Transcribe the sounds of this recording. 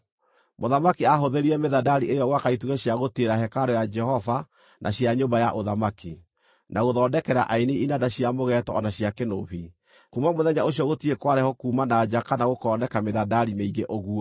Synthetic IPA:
moðamakiaɦoðeɾiɛmeðadaɾiʔejɔɣwakaituɣɛɕjaɣotieɾaɦɛkaɾɔjad͡ʒɛhɔva | nʔa̰ɕiaɲombajaʔoðamaki | nʔaɣoðɔndɛkɛɾa̰ʔainiinadaɕiamoɣɛtɔɔnaɕjakenoβi | kumamoðɛɲaoɕijɔɣotiekwaɾɛhɔkuːmanad͡ʒakanaɣokɔːnɛkameðadaɾimeiɣeʔoɣuɔ

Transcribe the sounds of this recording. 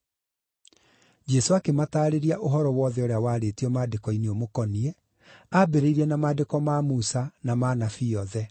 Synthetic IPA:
d͡ʒɛsoakemataːɾeɾiaʔoɦɔɾɔwɔːðɛoɾeawaːɾeːtiɔmaːdekɔineomokɔniɛ | abeɾeiɾɛnamaːdekɔmaːmusanamanafiɔðɛ

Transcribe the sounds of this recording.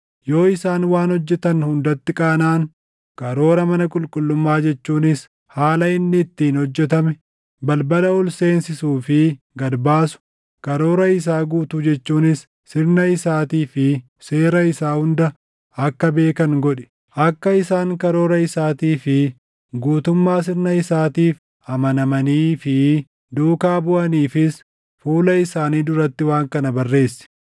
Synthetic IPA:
jo̞ːɪsaːnwaːnhɔd͡ʒːɛt̪ɐnhʊnd̪ɐt̪ːɪkʼaːnaːŋ | kɐɾo̞ːɾɐmɐnɐkʼʊlkʼʊlːʊmːaːd͡ʒɛt͡ʃːuːnɪs | haːlɐɪnːɪːt̪ːiːnhɔd͡ʒːɛt̪̬ɐmɛ | bɐlbɐlɐʊlse̞ːnsɪsuːfɪ | ɡɐɾbaːsʊ̥ | kɐɾo̞ːɾɐɪs̬aːɡuːt̪ʊd͡ʒɛt͡ʃːuːnɪsː | ɪɾnɐɪsaːt̪iːfɪ | seːɾɐɪsaːhʊnd̪ɐ | ɐkːɐbe̞ːkɐŋɡɔᶑɛ̥ | ʔɐkːɐɪsaːŋkɐɾo̞ːɾɐɪsaːt̪iːfɪ | ɡuːt̪ʊmːaːs̬ɪɾnɐɪsaːt̪iːf | ɐmɐnɐmɐniːfɪ | d̪uːkaːbʊʔɐniːfɪs | fuːlɐɪsaːniːd̪ʊɾɐt̪ːɪwaːŋkɐnɐbɐrːe̞ːsːɪ̥

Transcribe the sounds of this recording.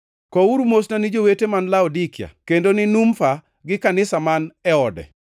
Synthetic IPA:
kɔuɾumosnanid͡ʒowetemanlaɔdikɪa̰kendonɪnumfa | ɡɪkanɪsamanɛɔdɛ̰

